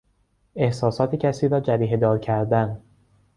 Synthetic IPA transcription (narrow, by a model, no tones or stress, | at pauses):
e̞hsɒːsɒːt̪ʰecʰæsiːɾɒːd͡ʒæɾiːɦed̪ɒːɾcʰæɾd̪æn